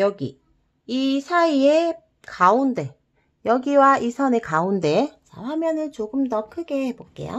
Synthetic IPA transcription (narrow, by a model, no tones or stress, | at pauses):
jʌɡḭ | isʰaie | kaunde̞ | jʌɡiwaisʰʌnekaunde̞t͡ɕa̰ɸamjʌnɯnt͡ɕoɡɯmdʌkʰɯɡe̞hebok͈e̞̰jo̰